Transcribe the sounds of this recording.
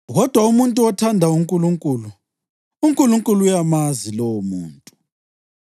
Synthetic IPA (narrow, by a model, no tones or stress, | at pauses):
ɣɔd̥ʱwaumuntʼuɔtʰandʱauŋkʼuluŋkʼuːlu | uŋkʼuluŋkʼulujamazilɔwomuːntʼu